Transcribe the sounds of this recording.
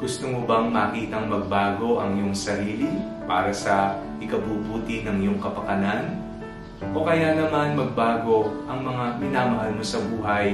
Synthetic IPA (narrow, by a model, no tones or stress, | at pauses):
ɡʊst̪ʊmobɐŋmɐːkiːt̪ɐŋmɐɡ̚baːɡo̞ʔɐŋjoŋsɐɾiːli | paːɾɐsɐ | ʔɪkɐbuːbuːt̪ɪnɐŋjoŋkɐpɐkɐnan | ʔo̞kɐjanɐmanmɐɡ̚baːɡo̞ʔɐŋmɐŋamɪnaːmɐɦalmosɐbuːɦɐj